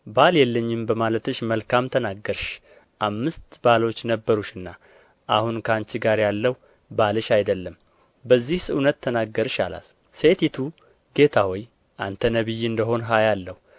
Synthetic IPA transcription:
baljɛlːəɲːɪmbəmalət̪ɨʃməlkʰamt̪ʰənaɡːəɾʃ | ʔamːɨst̪balo̞t͡ʃːnəbːəɾuʃɨnːa | ʔahunkʰant͡ʃːiɡaɾjalːəh | balɨʃajd̪əlːəm | bəzːihsəʔunət̪ʰːənaɡːəɾʃala̰l | se̞t̪ʰit̪ʰu | ɡ̥e̞t̪ʰawoj | ʔant̪ʰənəβɨjːɨnd̪əɦo̞nɦajalːəhu

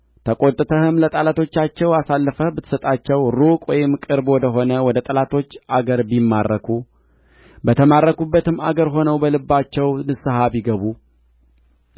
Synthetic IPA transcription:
t̪ʰəkʼo̞t̪ʼɨt̪ʰəhɨmlət̪ʼalat̪ʰo̞t͡ʃːat͡ʃːɛwasalːəfəbɨt̪ʰːɨ̥sət̪ʼat͡ʃːɛwɾukʼwɔjɪmkʼɨɾbwɔd̪əɦo̞nəwɔd̪ət̪ʼəlat̪ʰo̞t͡ʃːʔaɡəɾbimːarːəkʰu | bət̪ʰəmarːəkubːət̪ɨmːa̰ɡəɾɦo̞nəwbəlɨbːat͡ʃːɛwnɨsɨhaβiɡəβu

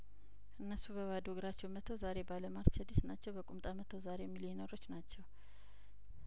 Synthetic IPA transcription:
ʔɨnːəsubəwad̪oɡɾat͡ʃːɛwmət̪ʰːəwzaɾe̞baləmaɾt͡ʃʰəd̪isnat͡ʃːɛwbəkʼumt̪ʼamət̪ʰəwzaɾejɛmːiljɪno̞ɾo̞t͡ʃːnat͡ʃːɛw

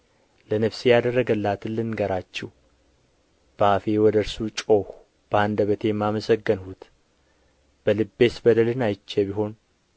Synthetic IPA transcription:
lənəfsijad̪ərːəɡəlːat̪ʰɨlːɨnɡəɾat͡ʃːɛh | b̥əafewɔd̪əɾsut͡ʃʼo̞h | b̥əand̪əβət̪ʰe̞jɛmːaməsəɡːənhut̪ | b̥əlɨbːe̞sbəd̪əlɨnajt͡ʃːebiɦo̞n

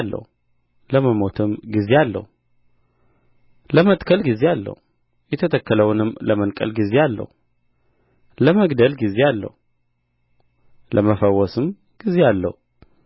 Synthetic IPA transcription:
lːə̰h | ləməmot̪ʰɨmɡize̞alːə̰hu | ləmət̪kʰəlɡizealːə̰hu | jɛt̪ʰət̪ʰəkːələwnɨmːləmənkʼə̰lɡize̞alːə̰hu | ləməɡd̪əlɡize̞alːə̰hu | lʔəməfəwɔsɨm | ɡ̥ize̞alːə̰hu

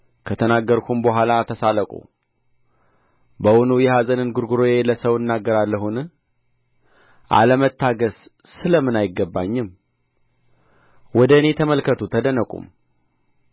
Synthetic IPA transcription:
kʰət̪ʰənaɡːəɾkʰumbəɦʷalat̪ʰəsaləkʼṵ | bəwɔnujɛhazʼənɨnɡuɾɡuɾojeləsəwɨnːaɡːəɾalːəɦunɨ | ʔa̰ləmət̪ʰːaɡəzsɨləmːɨnajɪɡːəbːaɲːɪm | wɔd̪əɨne̞t̪ʰəməlkʰət̪ʰut̪ʰəd̪ənəkʷʼṵm

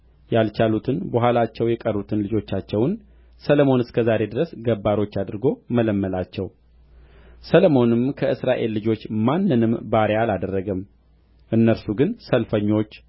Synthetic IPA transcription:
jalt͡ʃʰalut̪ʰɨnbəɦʷwalat͡ʃːɛwjɛkʼərːut̪ʰɨnlɨd͡ʒo̞t͡ʃːat͡ʃːɛwn | səlomonɨskʰəzaɾe̞d̪ɨɾəsɡəbːaɾo̞t͡ʃːad̪ɨɾɡo̞mələmːəlat͡ʃːɛw | səlomo̞nɨmkʰəʔɨsɾaʔe̞lːɨd͡ʒo̞t͡ʃːmanːɨnɨmbaɾealad̪ərːəɡəm | ʔɨnːəɾsuɡɨnsəlfəɲːo̞t͡ʃː

